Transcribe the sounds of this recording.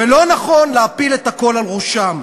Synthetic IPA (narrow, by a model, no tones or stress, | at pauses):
velo̞naχo̞nleapilet̪hako̞lalʁuʃam